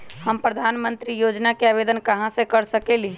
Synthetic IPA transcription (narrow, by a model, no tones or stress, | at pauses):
həmpɾəd̪ʱaːnmə̃nt̪ɾijoːd͡ʒnakeaːbed̪ənkəɦãsekəɾsəkeli